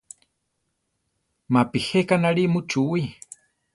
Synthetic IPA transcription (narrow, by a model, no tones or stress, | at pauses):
mapihekanaɺimut͡ʃui